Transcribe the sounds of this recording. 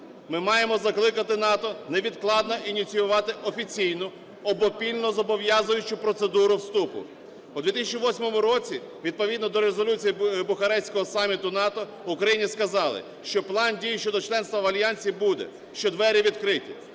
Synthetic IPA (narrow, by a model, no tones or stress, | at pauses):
mɪmɑjemɔzɐklˠɪkɐt̪ɪnɑt̪ɔneʋʲid̪klˠɑd̪nɔʔinʲit͡sʲijʊʋɑt̪ɪʔɔfʲit͡sʲijnʊ | ɔbɔpʲilʲnɔzɔbɔʋjɑzʊjʊt͡ʃʊpɾɔt̪sed̪uɾʊwst̪upʊ̰ | ud̪ʋʲit̪isʲɐt͡ʃiʋɔsʲmɔmʊɾɔt͡sʲi | ʋʲid̪̚pɔʋʲid̪nɔd̪ɔɾezɔlʲut͡sʲijibʊxɐɾɛsʲkɔɦɔsɑmʲit̪ʊnɑt̪ɔ | ʊkɾɐjinʲiskɐzɑlˠɪ̰ | ʃt͡ʃɔplˠɑndʲijʃt͡ʃɔd̪ɔt͡ʃlˠɛnst̪ʋɐʋɐlʲjɑnʲsʲibud̪ɛ̰ | ʃt͡ʃɔd̪ʋɛɾʲiʋʲid̪kɾɪtʲi